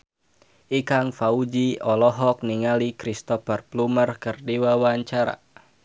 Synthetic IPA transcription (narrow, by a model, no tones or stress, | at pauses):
ʔikaŋfaud͡ʒiɔlɔɦɔk̚niŋalikɾist̪ɔfərplumərkərdiwawaɲt͡ʃaɾa̰